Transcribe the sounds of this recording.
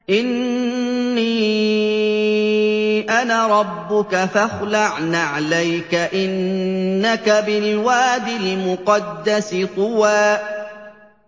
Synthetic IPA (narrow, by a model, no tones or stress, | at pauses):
ʔɪnː | iː | ʔanaɾˤɑbːʊkafaxlaʕnaʕalajkaʔɪnːakabɪlwaːd̪ɪlmʊqɑd̪ːasɪqʊwaː